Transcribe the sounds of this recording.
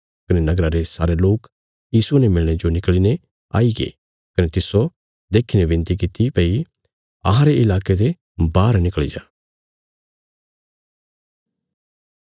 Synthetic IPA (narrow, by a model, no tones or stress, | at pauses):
kɐnenɐɡɾãɾesaːɾeloːk | jiːsunɛmɪɭɽ̃ed͡ʒonɪkline | a̰ːiɡḛ | kɐnet̪ɪso | d̪eːkʰinẽbɪ̃nt̪ik̬ɪt̪ipɐi | ɐɦãɾeɪlaːked̪e | baːɾnɪkɭḭd͡ʒaː